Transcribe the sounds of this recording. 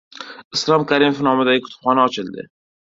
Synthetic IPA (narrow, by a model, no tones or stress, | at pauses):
ɪslˠɒmkʰʲaɾimofnɒmɪd̪aɡʲɪkʰʊ̥t̪ʊ̥pχɒnaɒt͡ʃʰɪld̪ɪ̰